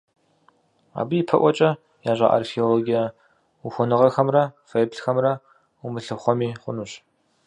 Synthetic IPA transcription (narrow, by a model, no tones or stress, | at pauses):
a̰ːbɨjipʰɐʔʷɔt͡ʃʼɐ | jaːʑʷɐ̰ʔa̰rxioloɡija | uxʷɔnɨʁɐxɐmrɐfejbɬxɐmrɐ | umɨɬɨχʷɔmiːχʷʊnuɕ